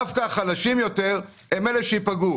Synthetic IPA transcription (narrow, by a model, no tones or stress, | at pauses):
afkaχalaʃimjo̞t̪e̞ʁ | emeleʃeipaɡu